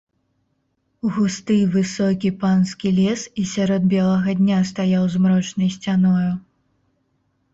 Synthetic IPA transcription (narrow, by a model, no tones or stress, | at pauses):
uɣust̪ɨjvɨsɔkʲipanskʲilʲɛsisʲaɾɔd̪̚bʲɛlˠɐɣɐd̪ʲnʲast̪ajawzmɾɔt͡ʂnɐjsʲt͡sʲanɔju